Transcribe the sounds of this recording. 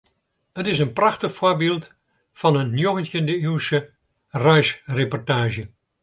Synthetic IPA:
ətɪsənprɑxtəxfoːɹbɪlˠt | fɑnənːjoɣəntjəndəywsə | rœɥsrepɔɹtaːʒə

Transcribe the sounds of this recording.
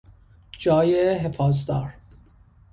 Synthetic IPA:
d͡ʒɒːjeɦefɒːzd̪ɒːɾ

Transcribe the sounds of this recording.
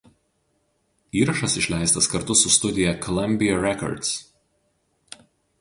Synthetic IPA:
iːɾɐʃɐsɪʃʲlʲæˑɪst̪ɐskɐɾt̪ʊsʊst̪ʊd̪ʲɪjɛkɔlˠɐmʲbʲɪjɐɾʲɛkɔ̰ɾt̪s

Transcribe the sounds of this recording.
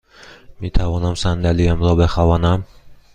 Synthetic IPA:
met̪ʰavɒnamsand̪alijamɾɒbeχavanam

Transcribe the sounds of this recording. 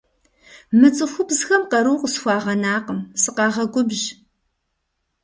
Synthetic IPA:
mɨt͡sʼɨxʷʊbzxɐmqɐɾuːqʼəsxʷɑːʁɐnaːqəmsɨqɑːʁɐɡʷʼʊbʑ

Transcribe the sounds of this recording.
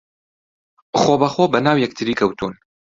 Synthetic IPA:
xoːbɐxoːbɐnaːwjɛkt̪ʰɨɾiːkʰɐwt̪ʰuːn

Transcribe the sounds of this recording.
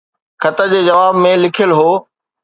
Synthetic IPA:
xʰɐt̪ə̆d͡ʑeːd͡ʑɐʋaːbmẽlɪkʰjəlɦoː

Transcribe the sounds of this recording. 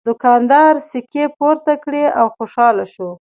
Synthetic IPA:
d̪ʊkɑnd̪ɑɾsɪkepoɾt̪akɽeawxoʃɑlaʃo

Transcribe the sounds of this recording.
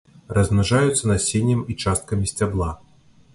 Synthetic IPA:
rɐznɐʐajut̪sːɐnɐsʲenʲjɛmit͡ʂast̪̚kɐmʲisʲt͡sʲablˠa

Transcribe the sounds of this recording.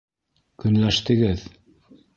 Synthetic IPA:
kɵ̆nlæʃt̪ɘ̆ɡɘð

